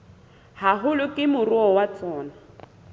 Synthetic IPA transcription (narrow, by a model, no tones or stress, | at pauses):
haɦʊlʊkʼɪmʊrʊɔwat͡sʼɔːna